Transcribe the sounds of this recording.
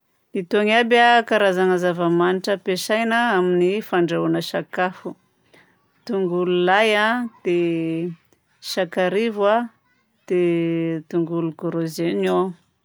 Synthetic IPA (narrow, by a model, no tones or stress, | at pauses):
it̪oŋabakaɾazaŋəzavəmaniʈ͡ʂəpeʃajnaaminifaɳɖ͡ʐauanəʃakafu | t̪uŋɡululajad̪̥e | ʃakaɾivwa | d̪̥et̪uŋɡulukoɾozeno